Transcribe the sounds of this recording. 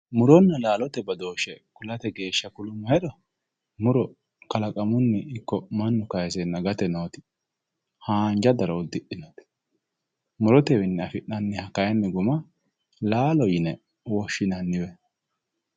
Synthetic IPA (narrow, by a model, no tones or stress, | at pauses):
mʊɾɔnːɐlaːlɔt̪ɛbɐd̪o̞ːʃɛkʊlɐt̪ɛɡe̞ːʃːɐkʊlʊmːʊhɛɗ̪ɔ | mʊɾɔ | kɐlɐkʼɐmʊnːɛɪkːɔmɐnːʊkɐjsɛnːɐɡɐt̪ɛnoːt̪ɪ̥ | haːnd͡ʒɐd̪ɐɾɐʊd̪ːɪʔɪnoːt̪ɪ̥ | mʊɾɔt̪ɛwɪnːɛɐfɪʔɐnːɪhɐkːɐjɐnːɛɡʊmɐ | laːlɔjɪnɛ | wɔʃːɪnɐnːɪwɛ